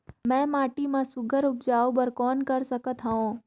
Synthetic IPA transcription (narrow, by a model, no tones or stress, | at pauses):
mɛ̃ːmaːʈimãsʊɡʱəɾʊpd͡ʒaːobəɾkɔːnkɐɾsəkət̪ɦaɦõː